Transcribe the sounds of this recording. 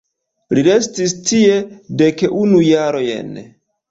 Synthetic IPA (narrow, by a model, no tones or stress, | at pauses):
liɾe̞stistie̞dekʔunujaɾo̞jḛn